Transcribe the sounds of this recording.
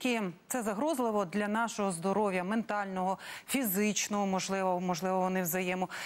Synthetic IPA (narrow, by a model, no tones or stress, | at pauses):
kɪt̪sɛzɐɦɾɔzlˠɪʋɔd̪lʲɐnɑʃɔɦɔzd̪ɔɾɔwʲjɐment̪ɑlʲnɔɦɔfʲizɪt͡ʃnɔɦɔmɔʒlˠɪʋɔmɔʒlˠɪʋɔʋɔnɪwzɐjɛmʊ